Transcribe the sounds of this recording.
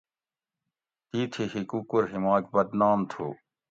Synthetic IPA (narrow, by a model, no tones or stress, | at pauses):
t̪iːt̪ʰiɦikukuɾɦimaːk̚bɐd̪naːmt̪ʰṵː